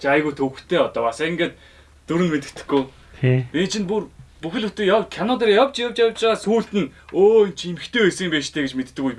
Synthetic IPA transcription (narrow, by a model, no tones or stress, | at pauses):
t͡ɕajɣujʰt̪ʰɵw̆xt̪ʰeːɔt̪ɔːpasĕŋɡeːt̪̚ | t̪ːuɾɘ̆nmet̪ɘ̆kt̪ɘ̥̆xɡujʰ | piːnt͡ɕʰĭnpurpuxʲɪ̆ɮut̪ĕjawkʰanʊːt̪̬erjawt͡ɕjawt͡ɕjawt͡ɕʁaːsuːɬt̪ɘ̆noːjnt͡ɕʰimɘ̆xt̪ʰeːesəŋimpeːʃt̪ʰeːɡet͡ɕmet̪ːɘ̆kuj